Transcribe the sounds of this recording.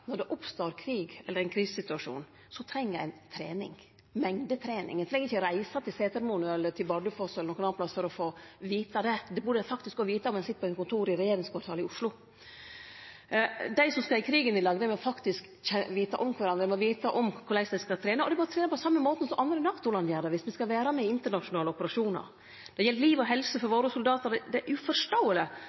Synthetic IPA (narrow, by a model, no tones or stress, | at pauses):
nɔɖɛʔʊpst̪oːɾkʰɾiːɡɛlːəɾæɪnkʰɾiːssɪt̪ʉɑʂṵːn | sɔt̪ʰɾɛŋːəæɪnt̪ʰɾḛːnɪ̰ŋ | mɛŋd̪ət̪ʰɾeːnɪ̰ŋɛnʰlɛŋːɡɾɪçəɾæɪsɑt̪ʰɪlseːt̪əɾmunəɛlːətʰɪlbɑɖʉfɔsɛlənɔkənɑnplɑsfɔɾɔfoːʋiːt̪ɑd̪ɛd̪ɛbʉɖfɑkt̪ɪsk̚ɡɔʋiːt̪ɑɔmɛnsɪt̪ːəpʰɔɛnkʊnt̪ʰuːɾɪɾɛjeːɾɪŋskʰʋɑːʈ̪ʰɑːlɪʊʂlʊ | d̪æɪsɔmskɑɪkʰɾiːɡənɪlɑɡd̪əmɛɔfɑkt̪ɪsk | ɛʋiːt̪ɑʔɔmkʰʋɑɾɑnd̪ɾəmɛɔʋiːt̪ɑʔɔmkʰʊlæɪsd̪æɪskɑt̪ʰɾeːnəɔ̰d̪ɛbɑɾt̪ʰɾeːnəpʰɔsɑmːəmoːt̪n̩sɔmʔɑnd̪ɾənɑkt̪ʊlɑnjæːɾd̪əʋɪsmɪskɑʋæːɾɑmɛɪnt̪əɳɑʂʊnɑːləɔpəɾɑʂuːnɑ̰ɾ | d̪̥ɛjɛlːəliːʋɔɦɛlsəfɔɾʋoːɾəsʊld̪ɑːt̪əɾd̪ɛd̪ɛʔʉfɔʂʈoːələ